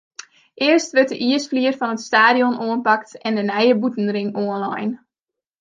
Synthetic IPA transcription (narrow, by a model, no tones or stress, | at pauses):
ʔɪərstʋɪt̚əʔiəsfliːərfɑnətstaːdiɔnʔoənpɑk̚tɛndənɛjəbutən̩rɪŋoənlɑ̰jn